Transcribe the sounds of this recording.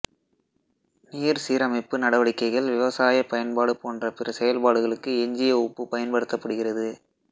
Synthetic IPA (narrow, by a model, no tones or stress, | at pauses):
niːɾsiːɾɐmɐɪpːɯnɐɽɐʋɐɽɪkːɐɪɣɐɭʋɪʋɐsaːjɐpːɐjɐnpaːɽɯpoːndrɐpɪrɐsɛjɐlpaːɽɯɣɐɭɯkːɯɛɲd͡ʒɪjɐʊpːɯpɐjɐnpɐɽɯt̪ːɐpːɐɽɯɣɪrɐðɯ